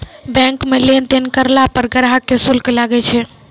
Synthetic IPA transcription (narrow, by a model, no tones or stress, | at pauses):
bɛ̃ŋkmelent̪enkəɾlapəɾɡəɾɦakːesulklaɡɛt͡ʃʰɛ